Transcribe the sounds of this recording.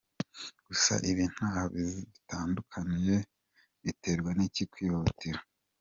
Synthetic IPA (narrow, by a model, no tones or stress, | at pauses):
ɡ̥usa̰ʔiβiːn̥haːhaβiziβitaːndukʰaniɾe̞ | βite̞ɾɡwanicikwiːhotiɾa